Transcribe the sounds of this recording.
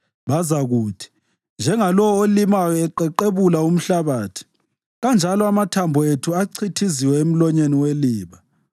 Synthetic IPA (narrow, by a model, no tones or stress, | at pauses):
βazaɣuːtʰi̥ | nd͡ʒʱɛŋalɔwɔolimajɔɛǃɛǃeβulaum̩ɬaβaːtʰi̥ | ɣand͡ʒʱalɔamatʰambʱɔetʰuaǀʰitʰiziwɛem̩lɔɲeniweliːβa